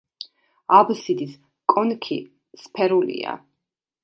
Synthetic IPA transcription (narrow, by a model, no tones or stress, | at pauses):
absid̪is | kʼɔnkʰḭ | spʰɛɾulḭa̰